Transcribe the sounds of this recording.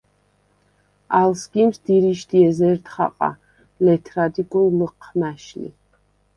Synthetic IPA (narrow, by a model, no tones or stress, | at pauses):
alsɡimsd̪iɾiʃd̪iɛzɛɾt̪χa̰qʼa̰ | lɛt̪ʰɾad̪ikʼunləqʰmæʃlḭ